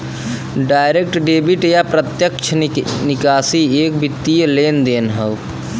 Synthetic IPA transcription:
ɖaːjɾek̚ʈɖeːbiʈjapɾət̪jəkt͡ʃʰənikaːsiek̚bit̪ːijəleːnd̪eːnɦəʊk

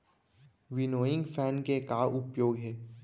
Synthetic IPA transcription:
ʋɪnoːɪ̃ŋɡfɛːnkekaːʔʊpjoːɡɦɛː

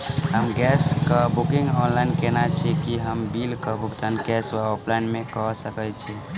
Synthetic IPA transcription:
ɦəmɡɛskəbukĩŋɡɔ̃nlainkenat͡ʃʰɛkiɦəmbilkəbʱukt̪anɡɛswaoplajnmẽkəsəkət͡ʃʰɛ

